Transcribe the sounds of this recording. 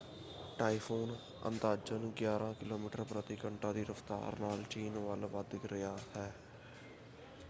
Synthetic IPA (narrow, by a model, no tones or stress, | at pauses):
ʈaːipʰoːn | ə̰nd̪aːd͡ʒənɡjaːɾãːkɪloːmiːʈəɾpɾət̪iːkəɳʈãːd̪iːɾəft̪a̰ːɾnaːlt͡ʃiːnʋaːlʋaːd̪ɪkɾɪjaːt̪ɛː